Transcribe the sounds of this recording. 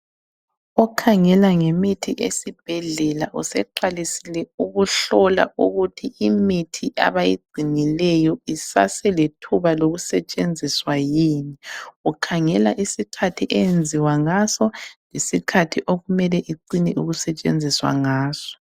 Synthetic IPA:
ɔkʰaŋɛlaŋemitʰiʔesib̥̚ʱɛɮɛlaʔusɛǃalisilɛuɣuɬɔla̰uɣutʰiimitʰiʔa̰βajiɡ͡ǀʱinilɛjɔisa̰sɛletʰuβaloɣusɛt͡ʃʼend͡zʱiswajiːniukʰaŋɛlaʔisikʰatʰiʔend͡zʱiwaŋasɔlesikʰatʰiʔoɣumɛlɛʔiǀinɛʔuɣusɛt͡ʃʼḛnd͡zʱiswa̰ŋaːsɔ̥

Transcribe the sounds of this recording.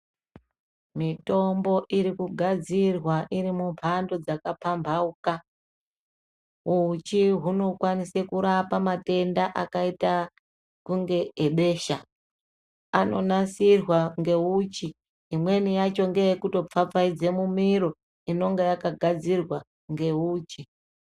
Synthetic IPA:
mito̞mbo̞ʔiɾikuɡʱad͡zirwaʔiɾimumpʰandod͡zakapambʱauka | ut͡ʃiɦuno̞kwanisekuɾapamate̞ndaʔakaita | kuŋɡe̞eɓe̞ːʃa | ano̞nasirwaŋɡe̞ut͡ʃiː | mwe̞nijat͡ʃo̞ŋɡe̞jekuto̞p͡fap͡faid͡ze̞mumiɾo̞ | ino̞ŋɡejakaɡʱad͡zirwa | ŋɡe̞uːt͡ʃi

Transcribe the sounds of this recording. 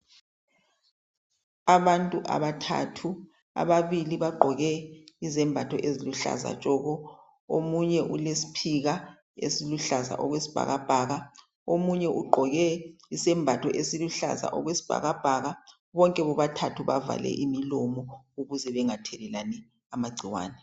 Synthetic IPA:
aβantʼuʔa̰βatʰa̰tʰu | a̰βaβiliβaɡ͡ǃʱɔɣɛizɛmbʱatʰɔʔeziluɬa̰za̰t͡ʃʼɔɣɔ | omuɲɛʔulesi̥pʰiɣa | ḛsiluɬaza̰ʔɔɣwesi̥b̥ʱa̰ɣab̥ʱaːɣa | omuɲɛʔuɡ͡ǃʱɔɣɛisɛmbʱatʰɔʔesiluɬa̰za̰ʔɔɣwesi̥b̥ʱa̰ɣab̥ʱaɣa | βɔŋkʼɛβɔβatʰatʰuβa̰va̰lɛ̰ʔimilɔmɔ | uɣuzɛβɛŋatʰɛlɛlanɛ | amaɡ͡ǀʱiwa̰ːnɛ

